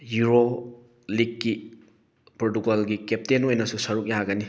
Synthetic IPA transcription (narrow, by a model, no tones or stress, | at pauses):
juɾo | likːi | pɾotukolɡikep̚tenojnɐsusɐɾuk̚jaɡɐni